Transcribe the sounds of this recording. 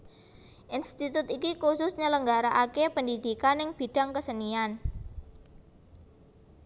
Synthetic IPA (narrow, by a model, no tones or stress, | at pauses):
ʔinst̪it̪ʊt̪ikikusʊsɲələŋɡaɾaʔakepəndid̪̥i̤kanɪŋb̥i̤ɖ̥a̤ŋkəsənian